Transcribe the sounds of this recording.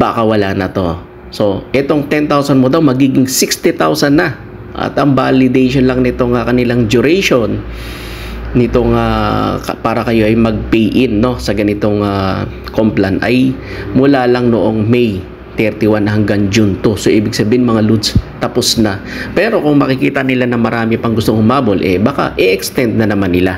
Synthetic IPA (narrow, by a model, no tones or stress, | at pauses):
bakɐwɐlanɐt̪o̞ | so̞ʔɛt̪o̞ŋt̪ɛnt̪awsɐnmod̪awmɐɡiːɡɪŋsɪkst̪ɪt̪awsɐnːɐ | ʔɐ̰t̪ɐŋbalɪd̪ɛjʃonlɐŋnɪt̪o̞ŋɐkɐnɪlaŋd͡ʒʊɾɛjʃo̞n | ɪt̪o̞ŋakpaːɾɐkɐjo̞ʔɐjmɐɡ̚pijʔɪnːo̞sɐɡɐnɪt̪o̞ŋa | komplɐnɐ̰j | mʊlaːlɐŋnoʔo̞ŋmɛj | t̪ɛɾt̪ɪwanɐɦɐŋɡaŋd͡ʒʊnt̪osoʔiːbɪɡsɐbiːhɪnmɐŋalud̪st̪ɐposnɐ | pɛɾo̞kʊŋmɐkɪkiːt̪ɐnɪlanɐmɐɾaːmɪpɐŋɡʊst̪oŋhʊmaːbolʔɛbaka̰ʔɛʔɛkst̪ɛnd̪̚nɐnɐmanːɪla